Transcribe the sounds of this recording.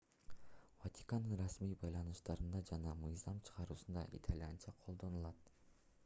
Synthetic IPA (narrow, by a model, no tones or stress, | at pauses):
vat̪ʲi̥kanɯnɾɑsmijbɑjlˠɑnuʃt̪ɑɾɯnd̪ɑd͡ʒɑnɑmɯjzɑmt͡ʃʰɯ̥ʁɑɾuːsund̪ɑ̰ʔḭt̪ʰalʲjant͡ʃɑqʰolˠd̪o̞nulˠɑt̪